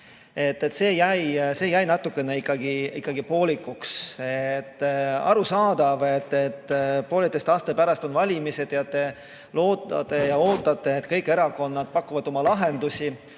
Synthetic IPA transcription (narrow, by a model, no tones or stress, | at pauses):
e̞t̪ːet̪se̞ːjæjse̞ːjæjnɑt̪ːukːˑe̞neikːˑɑɡiḭkːˑɑɡ̥ipo̞ːlʲikːˑukset̪ːɑ̰ɾusɑːd̪̥ɑve̞t̪ːe̞t̪ːpoːlit̪ːˑest̪ɑːst̪epæɾɑst̪o̞nvɑlʲimise̞t̪jɑt̪ːˑe̞ | lo̞ːt̪ˑːɑ̰t̪ˑe̞jɑo̞ːt̪ːˑɑt̪ːˑe̞ːt̪ːˑkɤjkːˑe̞ɾɑko̞nːɑd̪̥pɑkːuvɑd̪̥o̞mɑlɑɦe̞nd̪usʲi